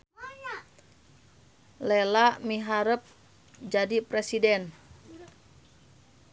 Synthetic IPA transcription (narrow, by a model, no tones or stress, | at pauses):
lɛlaʔmiɦaɾəp̚ | d͡ʒadipɾɛsidɛn